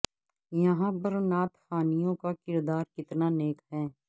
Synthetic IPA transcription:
jɐɦãːpɐɾnaːt̪xaːnijõkakɪɾd̪aːɾkɪt̪naneːkɦɛː

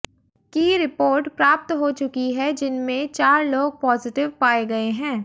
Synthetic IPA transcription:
kiɾɪpoːɾʈpɾaːp̚t̪ɦot͡ʃʊkiɦɛd͡ʒɪnmẽt͡ʃaːɾloːɡ̚pɔːzɪʈɪʋpaːeɡɐeɦɛ̃ː

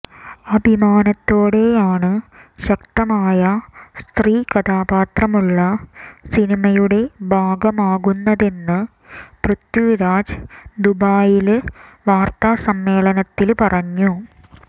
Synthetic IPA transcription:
ɐbʱimaːnɐt̪ːo̞ːɽe̞jaːɳɨɕɐkt̪ɐmaːjɐst̪riːkɐd̪aːbaːt̪rɐmuɭːɐsinimɐjuɽe̞bʱaːɡɐmaːɣunːɐðe̞nːɨ | prut̪juɾaːd͡ʑd̪ubaːjilʋaːrt̪asɐmːe̞ːɭɐnɐt̪ːilpɐrɐɲːu

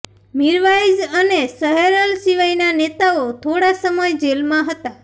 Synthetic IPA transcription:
miɾʋajd͡ʒənesəɦeɾəlsiʋajnanet̪aot̪ʰoɽasəməjd͡ʒelmãɦət̪a

